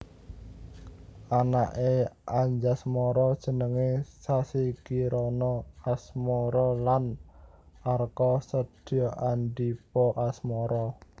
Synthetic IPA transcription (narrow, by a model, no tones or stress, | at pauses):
ʔanaʔeaɲd͡ʒasmɔɾɔd̥ʒ̥ə̤nəŋesasikiɾɔnɔasmɔɾɔlan | arkɔsəd̥ɔʔaɳɖipɔʔasmɔɾɔ